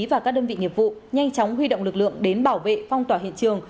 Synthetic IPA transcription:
vaː˨˩kaː˦˥k̚ɗəː˧nvḭ˧˨ɲŋi˨˩əp̚vṵ˧˨ɲa˧jŋt͡ɕɔ˨˦wŋ͡mɦwi˧ɗo̰˧˨wŋ͡mlɨ˨˩k̚lɨ̰˧˨əŋɗe˨˦nɓaː˧˩wvḛ˧˨fa˧wŋ͡mt̪waː˧˩ɦḭ˧˨ənt͡ɕɨ˨˩əŋ

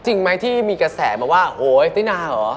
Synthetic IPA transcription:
t͡ɕi˧ŋma˦˥jt̪ʰiː˥˩miː˧ka˧sɛ̰ː˩˦ma˧waː˥˩hoː˨˩˦jt̪aː˥˩naː˧˩lɔː˩˦

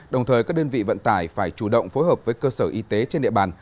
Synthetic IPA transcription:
ɗə˨˩wŋ͡mt̪ʰəː˨˩jkaː˦˥k̚ɗəː˧nvḭ˧˨və̰˧˨nt̪aː˧˩jfaː˧˩jt͡ɕu˧˩ɗə̰˧˨wŋ͡mfo˨˦jɦəː˨˩p̚vəː˨˦jkəː˧səː˧˩ʔi˨˧˦t̪e˨˦t͡ɕe˧nɗḭ˧ə˨ɓaː˨˩n

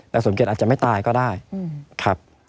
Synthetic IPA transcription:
lɛː˧˥˩so˩˦me˨˩t̪ʔa˨˩t̪̚t͡ɕa˨˩ma˥˩t̪aː˧jkɔː˥˩daː˥˩jkʰa˦˥p̚

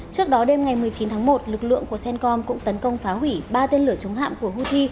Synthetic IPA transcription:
t͡ɕɨ˦˥ək̚ɗɔ˨˦ɗe˧mŋa˨˩jmɨ˨˩əjt͡ɕi˨˦nt̪ʰaː˨˦ŋmo˨˩t̚lɨ˨˩k̚lɨ̰˧˨əŋku˧˩əsɛ˧nkɔ˧nkʊ̰˧˥ŋ͡mt̪ə˨˦nkə˧wŋ͡mfaː˨˦hwi˧˩ɓaː˧t̪e˧nlɨ˧˩ət͡ɕə˨˦wŋ͡mha̰ː˧˨mku˧˩əhu˧t̪ʰi˧

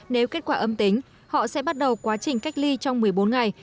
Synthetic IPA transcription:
ne˨˦wke˦˥t̚kwaː˧˩ʔə˧mt̪ï˨˦ŋ̟ | hɔ̰˧˨sɛ̰˧˥ɓa˦˥t̚ɗə˨˩wkwaː˨˦t͡ɕï˨˩ŋ̟ka˦˥jk̟̚li˧t͡ɕɔ˧wŋ͡mmɨ˨˩əjɓo˨˦nŋa˨˩j

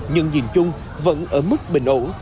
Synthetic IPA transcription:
ɲə̰˧˨nɲḭ˧˩mt͡ɕʊ˧ŋ͡m | və̰˧˥nʔəː˧˩mɨ˦˥k̚ɓï˧˨˩ŋ̟ʔo̰˧˥n

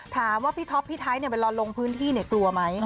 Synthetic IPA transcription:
t̪ʰaː˨˩˦mwaː˥˩pʰiː˦˥˩t̪ʰɔ˦˥pʰːiː˥˩t̪ʰaː˦˥jni˥˩pa˧jlɔː˧lo˧ŋpʰɯː˦˥nt̪ʰiː˥˩ni˥˩ɐklu˧ɐma˦˥j

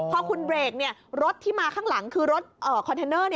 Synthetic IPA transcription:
pʰɔ˦˥kʰu˧nbɾeː˧˩k̚ni˥˩ɐɾo˦˥t̪̚ʰːiː˥˩maː˧kʰaː˥˩ŋla˩˦ŋkʰɯː˧ɾo˦˥t̪̚ʔəː˨˩kʰɔ˧nt̪ʰe˧nɤː˥˩ni˥˩

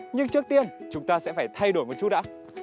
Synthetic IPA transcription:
ɲɨ˧ŋt͡ɕɨ˦˥ək̚t̪i˧ənt͡ɕʊ˨˦ŋ͡mt̪aː˧sɛ̰˧˥faː˧˩jt̪ʰa˧jɗo˧˩jmo˨˩t̚t͡ɕu˦˥t̚ɗa̰˧˥

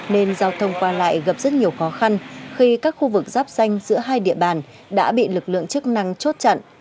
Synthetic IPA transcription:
ne˧nzaː˧wt̪ʰə˧wŋ͡mkwaː˧la̰ː˧˨jɣə˨˩p̚z̥ə˦˥t̚ɲi˨˩əwxɔ˨˦xa˧nxi˧kaː˦˥k̚xu˧vɨ˨˩k̚zaː˦˥p̚z̥a˧jŋ̟zɨ̰˧˥əɦaː˧jɗḭ˧˨əɓaː˨˩n | ɗa̰ː˧˥ɓḭ˧˨lɨ˨˩k̚lɨ̰˧˨əŋt͡ɕɨ˦˥ək̚na˧ŋt͡ɕo˦˥t̚t͡ɕa̰˧˨nʔ

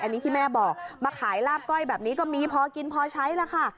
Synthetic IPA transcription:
ʔa˧nːiː˦˥t̪ʰiː˥˩mɛː˥˩bɔː˨˩k̚maː˧kʰaː˩˦jlaː˥˩p̚kɔ˥˩jbɛː˨˩p̚niː˦˥kɔː˥˩miː˧pʰɔː˧ki˧npʰɔː˧t͡ɕʰa˦˥jla˧˥kʰa˥˩

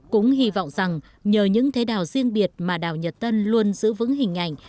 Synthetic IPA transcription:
kʊ̰˧˥ŋ͡mɦi˧vɔ̰˧˨wŋ͡mza˨˩ŋ | ɲəː˨˩ɲɨ̰˧˥ŋt̪ʰe˨˦ɗaː˨˩wzi˧ənɓi˨˩ət̚maː˨˩ɗaː˨˩wɲə˨˩t̚t̪ə˧nlu˧ənzɨ̰˧˥vɨ̰˧˦˥ŋɦï˨˩ŋ̟ʔa̰˧˩jŋ̟

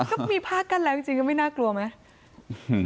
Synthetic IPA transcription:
kɔː˥˩miː˧pʰaː˥˩kːa˧˥˩nlɛː˦˥t͡ɕi˧ŋt͡ɕi˧ŋkɔː˥˩ma˥˩jnaː˥˩klu˧ɐma˦˥

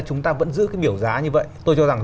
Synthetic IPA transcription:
t͡ɕʊ˨˦ŋ͡mt̪aː˧və̰˧˥nzɨ̰˧˥kaː˨˦jɓi˧˩əwzaː˨˦ɲɨ˧və̰˧˨jt̪o˧jt͡ɕɔ˧za˨˩ŋ

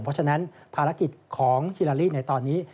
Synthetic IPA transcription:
ŋpʰɾɔ˦˥t͡ɕʰa˧na˦˥npʰaː˧ɾa˦˥ki˨˩t̪̚kʰɔː˩˦ŋhi˧laː˧liː˥˩na˧jt̪ɔː˧nːiː˦˥

